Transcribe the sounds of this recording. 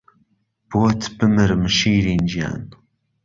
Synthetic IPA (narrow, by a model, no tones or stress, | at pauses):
b̥oːt̪ʰbɨmɨɾmɨʃiːɾiːnd͡ʒija̰ːn